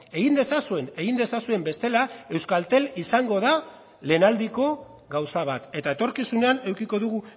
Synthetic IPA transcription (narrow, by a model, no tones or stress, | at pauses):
e̞ɣind̪e̞sasue̞ne̞ɣind̪e̞sasue̞mbe̞st̪e̞lae̞wskalt̪e̞lisaŋɡo̞ð̞a | le̞nald̪iko̞ | ɡawsaβ̞at̪e̞t̪aet̪o̞ɾkisune̞ane̞wkiko̞ðuɣu